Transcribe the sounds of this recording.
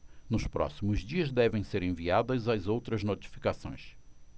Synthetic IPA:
nʊspɾɔ̰simʊzd͡ʒiɐzd̪ɛvẽj̃seɾẽviad̪ɐzɐzowt̪ɾɐznot͡ʃi̥fi̥kasõ̰j̃s

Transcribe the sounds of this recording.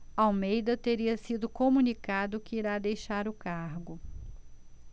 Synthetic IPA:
awmejd̪ɐt̪eɾiɐsid̪ʊkõmunikad̪ʊkɪiɾad̪ejʃaɾʊkaɾɡʊ

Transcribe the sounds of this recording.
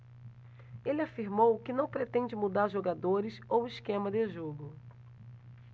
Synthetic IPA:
elɪafiɾmowkɪnɐ̃w̃pɾet̪ẽd͡ʒɪmud̪aɾʒoɡad̪oɾɪsowɪskẽmɐd̪ɪʒoɡʊ

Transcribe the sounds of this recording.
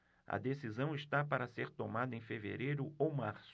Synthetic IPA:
ɐ̰d̪esizɐ̃w̃ist̪apaɾɐseɾt̪omad̪ɐẽj̃fevḛɾejɾʊowmaɾs

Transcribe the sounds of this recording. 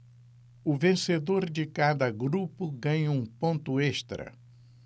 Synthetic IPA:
ʊvẽsed̪oɾd͡ʒɪkad̪ɐɡɾupʊɡɐ̃ɲɐũpõnt̪ʊeʃt̪ɾɐ̰

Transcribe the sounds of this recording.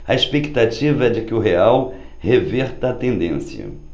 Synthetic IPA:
ɐespekt̪at͡ʃivɐɛd͡ʒɪkɪʊɦeaw | heveɾt̪ɐɐːt̪ẽnd̪ẽsjɐ̰

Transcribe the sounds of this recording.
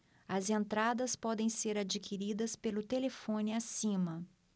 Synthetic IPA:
ɐzẽnt̪ɾad̪ɐspɔd̪ẽj̃seɾad͡ʒikʰiɾid̪ɐspelʊt̪elefõnɪasĩmɐ

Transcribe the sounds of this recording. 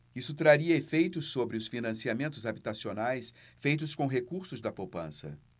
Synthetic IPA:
isʊt̪ɾaɾiɐefejt̪ʊsːobɾɪʊsfinɐ̃siamẽnt̪ʊzabit̪asionajsfejt̪ʊskõɦekuɾsʊzd̪ɐpowpɐ̰̃sɐ̰

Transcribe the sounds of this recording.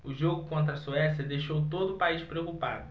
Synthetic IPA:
ʊʒoɡʊkõnt̪̬ɾɐsuɛsjɐd̪ejʃowt̪od̪ʊpaiʃpɾeokupad̪ʊ

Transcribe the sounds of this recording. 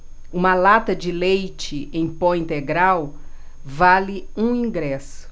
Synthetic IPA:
ũmɐlat̪ɐd͡ʒɪlejt͡ʃɪẽj̃põĩnt̪eɡɾaw | valɪũĩɡɾɛsʊ̥

